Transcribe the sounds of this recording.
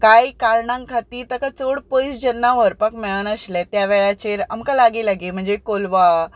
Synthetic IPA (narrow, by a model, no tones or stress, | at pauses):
kajkaɾɳãŋkʰat̪iːt̪əkat͡soɽpəjsd͡ʑənːaʋəɾpəkmɛɭənəslɛt̪jaʋɛɭat͡ɕeɾa̰mkalaɡiːlaɡim̤əɳd͡zekolʋa